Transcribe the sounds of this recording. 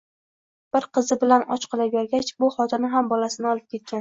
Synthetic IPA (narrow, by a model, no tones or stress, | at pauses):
b̥ɪɾqɨzɪbɪlanɒ̰t͡ʃqʰɨlˠajaɾɡʲat͡ʃbʊχɒt̪ʰɪnɪɦambɒlasɪnɪɒlˠɪp̚kʲʰe̞t̪̚kʲan